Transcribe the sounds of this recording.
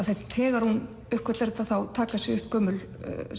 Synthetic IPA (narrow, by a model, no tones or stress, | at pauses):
θejt̪ʰɛːɣaɾ̥hun | œhkʰɛt̪lɛɾɛt̪aθawt̪ʰaːkasɪʏhpkʰœːmʏl̰